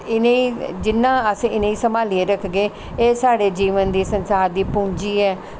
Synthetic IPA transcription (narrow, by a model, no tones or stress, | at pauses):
ɪnẽiːd͡ʒɪnːãːəsɪnẽːĩːsəmaːlieːɾəkʰɡeː | eːsaːɽeːd͡ʒiːʋənd̪iːsənsaːɾd̪iːpʊ̃ːɲd͡ʒiːɛː